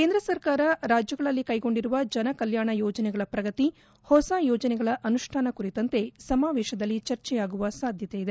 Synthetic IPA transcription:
ke̞ːnd̪ɾɐsɐɾkaːɾɐɾaːd͡ʒjɐɡɐɭɐlːikɐjɡo̞ɳɖiɾuʋɐd͡ʒɐnɐkɐljaːɳɐjɔːd͡ʒɐnɛɡɐɭɐpɾɐɡɐt̪i | hɔsaːjɔːd͡ʒɐnɛɡɐɭɐʔɐnuʂʈʰaːnɐkuɾit̪ɐnt̪e̞sɐmaːʋɛːʃɐd̪ɐlːit͡ʃɐɾt͡ʃɛjaːɡuʋɐsaːd̪ʱjɐt̪ejid̪e

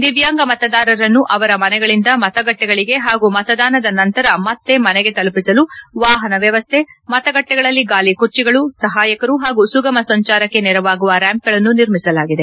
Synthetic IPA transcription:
d̪iʋjaːŋɡɐmɐt̪ɐd̪aːɾɐɾɐnːuʔɐʋɐɾɐmɐnɛɡɐɭind̪ɐmɐt̪ɐɡɐʈːɛɡɐɭiɡe̞ɦaːɡumɐt̪ɐd̪aːnɐd̪ɐnɐnt̪ɐɾɐmɐt̪ːe̞mɐnɛɡe̞t̪ɐlupisɐluʋaːɦɐnɐʋjɐʋɐst̪ʰe̞mɐt̪ɐɡɐʈːɛɡɐɭɐlːiɡaːlikuɾt͡ʃiɡɐɭusɐɦaːjɐkɐɾuɦaːɡusuɡɐmɐsɐɲt͡ʃaːɾɐkːe̞nɛɾɐʋaːɡuʋɐɾaːmp̚ɡɐɭɐnːuniɾmisɐlaːɡid̪e

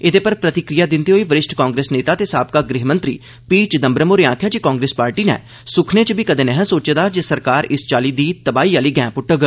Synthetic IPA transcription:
ɪd̪eːpəɾpɾət̪ɪkɾɪjaːd̪ɪnd̪iːɦoːiːʋəɾɪʃʈʰkãːŋɡɾeːsneːt̪aːt̪eːsaːb̚kaːɡɾɪɦmə̃nt̪ɾḭː | piːt͡ʃd̪əmbɾəmoːɾeːãːkʰjaːd͡ʒikãːŋɡɾeːspaːɾʈiːnɛ̰ː | sʊkʰneːt͡ʃbikəd̪eːnɛɦɛ̃soːt͡ʃed̪aːd͡ʒesəɾkaːɾɪst͡ʃaːliːd̪iːt̪əbaːiːaːliːɡɛ̃ːpʊʈːəɡə

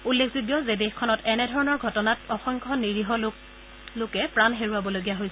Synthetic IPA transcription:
ulːekʰzuɡjɔzedexkʰɔnɔtɛnɛdʱɔɹɔnɔɹɡʱɔtɔnatɔxɔŋkʰɔniɹiɦɔl | lʊkɛpɹanɦeɹuabɔloɡijaɦojs

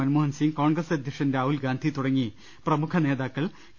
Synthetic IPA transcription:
ɐnmoːɦɐnsiŋɡkoːɳɡrɐsɐd̪ʱjɐkʂɐndaːɦulɡaːnd̪ʱit̪uɽɐŋːi | prɐmukʰɐne̞ːðaːkːɐɭ | k

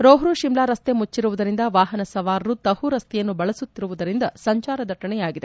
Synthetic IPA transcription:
ɾoːɦɾuʃimlaːɾɐst̪emut͡ʃːiɾuʋud̪ɐɾind̪ɐʋaːɦɐnɐsɐʋaːɾɐɾut̪ɐhuɾɐst̪ɛjɐnːubɐɭɐsut̪ːiɾuʋud̪ɐɾind̪ɐsɐɲt͡ʃaːɾɐd̪ʱɐʈːɐɳɛjaːɡid̪e

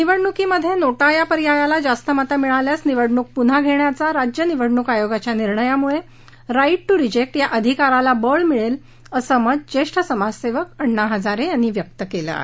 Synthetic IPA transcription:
niʋəɽɳukiːməd̪ʱːjenoʈajapəɾijajalad͡zast̪əmət̪amiɭaljasniʋəɽɳuk̚pun̤aɡʱeɳjat͡saɾad͡ʑjəniʋəɽɳukajoɡat͡ɕjaniɾɳəjamuɭe | ɾaiʈ̚ʈuɾid͡ʑek̚ʈjaʔəd̪ʱikaɾalabəɭmiɭel | əsəməd͡zt͡ɕeʂʈʰəsəmad͡ʑseʋəkəɳːaɦəd͡zaɾejanːiːʋjək̚t̪əkelə̰a̰ɦe

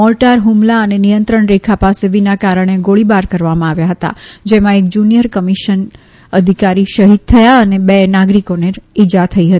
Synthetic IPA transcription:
ɔlʈaɾɦumlaənenijənt̪ɾəɳɾekʰapaseʋinakaɾəɳ̃eɡoɭibaɾkəɾʋamãaʋjaɦət̪a̰d͡ʒemãek̚d͡ʒunijəɾkəmiʃən | əd̪ʱikaɾiʃəɦid̪̚t̪ʰəjaənebenaɡɾikoneid͡ʒat̪ʰəiɦət̪i

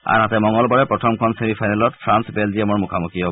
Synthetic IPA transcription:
a̰ɹɦatɛmɔŋɔlbɔɹɛpɹɔtʰɔmkʰɔmsemipʰajnalɔtfʰɹansbelziɛmɔɹmukʰamukiɔ

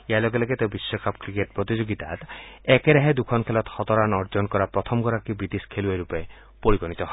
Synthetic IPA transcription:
ealɔɡelɔɡet̪ewbisːɔkʰapkɾikeʈpɾɔt̪id͡ʒoɡit̪a̰t̪ekeɾeɦed̪ukʰɔnkʰelɔt̪hɔt̪ɔɾanɔɾd͡ʒɔnkɔɾapɾɔt̪ʰɔmɡɔɾakibɾit̪iskʰeluajɾupe | poɾiɡɔnit̪ɔɦɔ

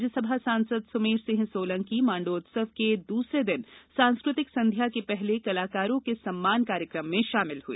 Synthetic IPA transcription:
d͡ʒəsɐbʱasãːnsəd̪sʊmeːɾsɪ̃ɦsoːlə̃ŋkimãːɳɖoːt̪səʋked̪uːsɾed̪ɪnsãːnskɾʊt̪ɪksɐ̃nd̪ʱjakepɛɦlekɐlaːkaːɾõkesɐmːaːnkaːɾjəkɾəmːẽʃaːmɪlhuḛː

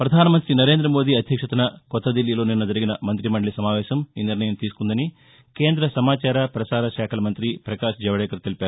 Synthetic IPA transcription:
pɾɐd̪ʱaːnɐmɐnt̪ɾinɐɾe̞ːnd̪ɾɐmo̞ːd̪iːɐd̪ʱjɐkʂɐt̪unɐkɔt̪ːɐd̪ilːilo̞ːninːɐd͡ʒɐɾiɡinɐmɐnt̪ɾimɐɳɖɭisɐmaːʋɛːʃɐmiːniɾnɐjɐmt̪iːsu̥kund̪ɐni | ke̞ːnd̪ɾɐsɐmaːt͡ʃaːɾɐpɾɐsaːɾɐʃaːkʰɐlɐmɐnt̪ɾipɾɐkaːʃd͡ʒɛʋɐɽɛːkɐɾt̪elipaːɾu

